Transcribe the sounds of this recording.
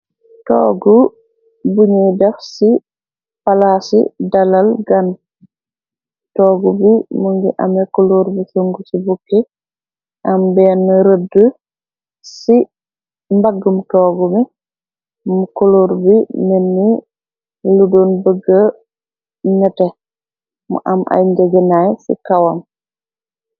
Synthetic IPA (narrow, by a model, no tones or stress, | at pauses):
tɔ̰ːɡu | buɲidɛfsi | palasḭdɐlɐlɡɐn | tɔːɡubimuŋɡiʔɐ̰mɛkoloɾbisoŋɡusibukːi | ʔɐmbɛnːɾədə | si | mbaɡːəmtɔːɡumi | mukoloɾbimenːi | ludunbəɡːə | ɲɛtɛ | mṵʔamʔa̰jɲd͡ʒɛɡɛnajsḭkawam